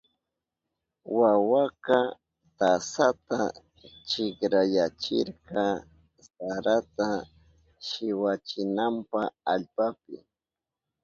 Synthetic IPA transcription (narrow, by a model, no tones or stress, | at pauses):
wawaka | t̪asat̪a | t͡ʃɪkɾajat͡ʃɪ̰ɾkɑ | saɾat̪a | ʃɪwat͡ʃɪnampaaʎpapɪ̰